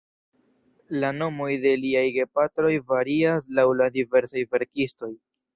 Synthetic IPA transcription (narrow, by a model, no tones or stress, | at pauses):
lano̞mo̞jde̞liajɡe̞patɾo̞jvaɾias̬lawladive̞ɾsajve̞ɾkisto̞j